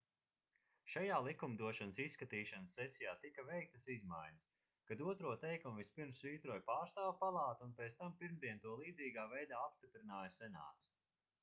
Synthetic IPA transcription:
ʃajaːlˠikumd̪uɔʃanəsisːkat̪iːʃansːɛsijaːt̪ikɐvɛjk̚t̪ɐsizmajɲɐs | kad̪uɔt̪ɾuɔt̪ɛjkumvispiɾmsviːt̪ɾuɔjpaːɾst̪aːwpalˠɑːt̪unpeːt̪st̪ampiɾmd̪iɛt̪uɔlˠiːd̪ziːɡaːvɛjd̪aːapst̪ipɾinaːjɐsɛna̰ːt̪s

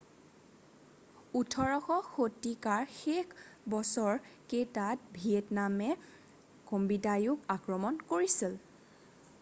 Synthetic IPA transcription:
utʰɔɹɔxɔxotːikaɹxekʰbɔsɔɹketat̚bʱiɛtnamɛ | kombidajʊkakɹɔmɔnkoɹisil

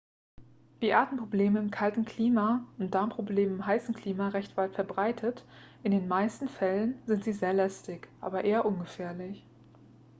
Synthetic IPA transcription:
d̥iːʔaːtn̩pʁ̥obleːməɪmkʰaltn̩kʰl̥iːmaʊnt̚d̥aɐmpʁ̥obleːməɪmɦaɪsn̩kʰl̥iːmaʁɛçtv̥aɪtfɛɐbʁaɪtʰətʔɪndeːnmaɪstn̩fɛlənzɪntz̥iːzeːɐlɛstɪçʔa̰ːbɐʔeːɐʔʊnɡəfɛːɐlɪç

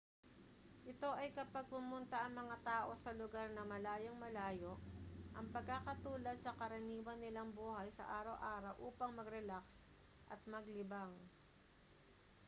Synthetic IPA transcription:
ʔɪt̪o̞ʔɐjkɐpɐɡ̚pʊmʊnt̪ɐʔɐŋmɐŋat̪aːʔo̞sɐlʊɡaɾnɐmɐlaːjoŋmɐlaːjoʔʔɐŋpɐɡ̚kakɐt̪uːlɐd̪̚sɐkɐɾɐniːwɐnːɪlaŋbuːhɐjsɐ̰ʔaːɾɐwʔaːɾɐwʔuːpɐŋmɐɡɾɛlaks | ʔɐ̰t̪̚mɐɡlɪbaŋ

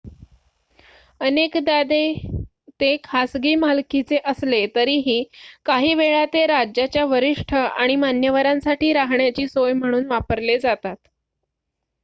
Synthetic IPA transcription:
ənekd̪ad̪e | t̪ekʰasɡiːmalkit͡seʔəslet̪əɾiːɦiːkaɦiːʋeɭat̪eɾad͡ʑjat͡ɕjaʋəɾiʂʈʰəaɽ̃imanjəʋaɾãnsaʈʰiːɾaɦɳjat͡ɕiːsojm̤əɽ̃uːnʋapəɾled͡zat̪at̪

